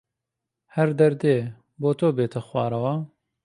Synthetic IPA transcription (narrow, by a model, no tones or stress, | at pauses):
hɛɾd̪ɐɾd̪eː | boːt̪oːbeːt̪ʰɐxwɑ̰ːɾɐwa